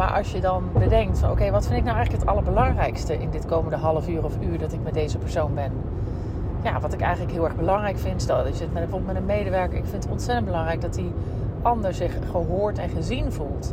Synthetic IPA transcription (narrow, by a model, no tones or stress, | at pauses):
ma̰ːɹʔɑ̰sjədɑnbədɛŋk̚tfɑnowkejʋɑtfɪndɪk̚nawɛjχləkɦətɑ̰lˠəɹbəlɑŋrɛjkstəʔɪndɪtkowməndəɦɑlˠəfyːrɔfyːɹdɑtɪk̚mɛt̚dejzəpəɹsownbɛn | ja̰ːʋɑtɪkɛ̰jχənləkɦɪlˠɛɹχbəlɑŋrɛjkfɪntstmɛtvɔbəlˠtmɛtənmejdəʋɛɹkəɹɪkfɪntətɔ̰ntsɛtəndbəlɑŋrɛjɡ̚dɑtdi | ʔɑndəɹsɪχχəɦoːɹtɛnχəzinvulˠt